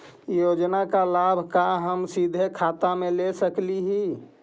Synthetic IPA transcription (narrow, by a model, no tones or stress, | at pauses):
joːd͡ʒnakalaːbʱkaɦəmsid̪ʱekʰaːt̪amẽlesəkliɦi